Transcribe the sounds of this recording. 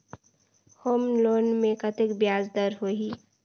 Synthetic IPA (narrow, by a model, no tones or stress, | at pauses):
hoːmloːnmẽkɐt̪ɪkbjaːzd̪əɾɦoːɦiː